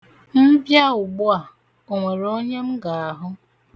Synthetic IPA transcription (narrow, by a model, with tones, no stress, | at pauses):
m̩˦bja˦ʊ˨ɡ͡bʊ˦a˨ | o˨ŋʷe˨ɾo˦ɲe˦m̩˦ɡa˨a˨ɦʊ˦